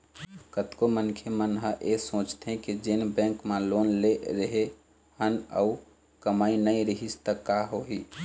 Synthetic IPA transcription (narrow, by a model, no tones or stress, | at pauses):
kət̪komənkʰemənɦəʔesõːt͡ʃt̪ɦɛ̃kid͡ʒɪnbɛ̃ːŋkmẽloːnleɾəɦe | hənə̰u | kəmaːinəĩɾəɦist̪əkːaɦoɦiː